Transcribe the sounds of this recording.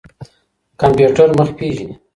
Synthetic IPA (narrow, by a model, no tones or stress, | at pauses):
kampjuʈəɾməxpiʒi